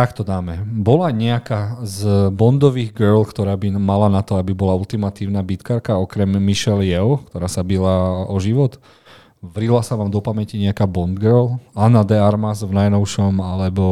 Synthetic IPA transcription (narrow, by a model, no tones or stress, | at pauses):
t̪akt̪ɔd̪aːmɛbɔlaɲɛakazbɔnd̪ɔʋiːɣɡɛɾlkt̪ɔɾaːbimalanat̪ɔabibɔlault̪imat̪iːʊnabit̪kaɾkaɔkɾɛmːiʃɛljɛʊkt̪ɔɾaːsabilaɔʒiʋɔt̪ | ʋɾilasaʋaːmd̪ɔpamɛciɲɛakaːbɔnd̪ɡəɾlanad̪ɛaɾmazvnajnɔʊʃɔmalɛbɔ